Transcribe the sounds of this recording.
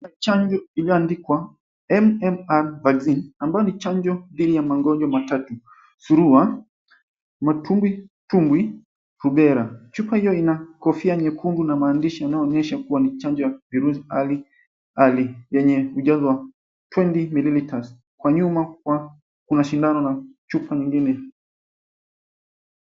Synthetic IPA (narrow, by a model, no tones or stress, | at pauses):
t͡ʃaɲd͡ʒɔilijɔandikwa | ɛmɛmaɾvaɡzinambajɔnit͡ʃaɲd͡ʒɔðiɗijamaŋɡɔɲd͡ʒɔmatatu | suɾua | matʰumɡwitumɡwi | ɾuɓɛɾat͡ʃupahijɔinakɔfiaɲɛkʰundunamaːndiʃijanaɔːɲɛʃakuwanit͡ʃaɲd͡ʒɔjaviɾuziali | alijɛɲɛuʄazɔwa | twɛntimililitas | kwaɲumakwa | kunaʃindanɔnat͡ʃupaɲiŋɡinɛ